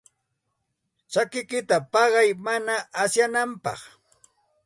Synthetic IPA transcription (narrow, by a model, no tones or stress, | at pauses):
t͡ʃakɪkɪt̪apɑɢɑjmanaːsjanampɑ̰χ